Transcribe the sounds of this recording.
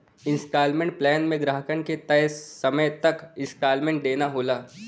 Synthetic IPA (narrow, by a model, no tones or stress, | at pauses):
ɪ̃nsʈaːlmẽːɳʈ̚plɛːnmẽɡɾaːɦəkənket̪ɐɦsɐməjt̪ɐkɪ̃nsʈaːlmẽːɳʈ̚d̪eːnaɦoːlaː